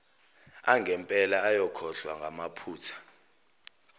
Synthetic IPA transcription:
aŋɡʱɛmpʼɛlaːjɔkʰɔɬwaŋɡʱamapʰuːtʰḁ

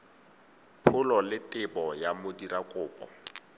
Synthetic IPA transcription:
pʰʊlɔlɪtʼɪbɔjamodirakʼʊːpʼɔ̰

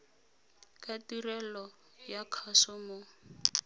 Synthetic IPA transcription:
katirɛlɔ | jakʰasɔmʊ

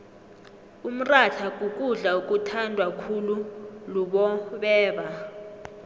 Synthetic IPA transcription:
um̩raɬʰak̬ʼukʼuɮaukʼutʰandʱwakʰululuɓɔɓɛːɓa

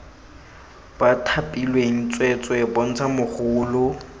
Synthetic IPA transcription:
b̥atʰapʼilweŋ̩t͡sʼwet͡sʼwɛbon̩t͡sʰamʊχʊːlʊ

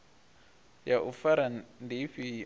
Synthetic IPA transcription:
jaʔufaɾanndiɸi

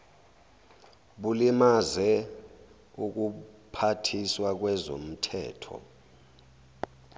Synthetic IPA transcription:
ɓulimazɛ | uk̬upʰatʰiswak̬wɛzo̰m̩tʰɛ̰ːtʰɔ̰

